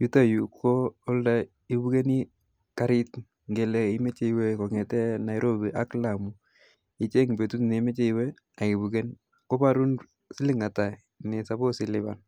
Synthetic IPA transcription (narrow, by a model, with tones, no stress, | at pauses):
ju˦ta˦ju˨kʰoː˦lda˨ | i˦bu˦ke˦ni˦ | ka˦ɾɪ˦t | ŋɡe˨lɛ˨i˦me˦t͡ʃe˦iwe˦kɔ˨ŋɛ˨tɛ˦na˨jɾo˦bi˨ʔa˦kla˨mu˨ | i˦t͡ʃe˦ŋbe˨tu˦tne˨˦me˦t͡ʃe˦iwɛ˦ | a˨ki˨bu˨ke˦n | ko˦pa˦ɾu˦n | sɪ˦lɪ˦ŋa˨ta˨ | nɪ˨sa˨bo˦sɪ˨lɪ˦ba̰˨n